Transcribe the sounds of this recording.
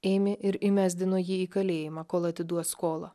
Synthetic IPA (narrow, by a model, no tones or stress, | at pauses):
eːmʲɪʔɪɾɪmʲæːzʲd̪ʲɪnoːjiːiːkɐlʲeːjɪmɑːkoːlˠɐt̪ʲɪd̪uɔskoːlˠɐ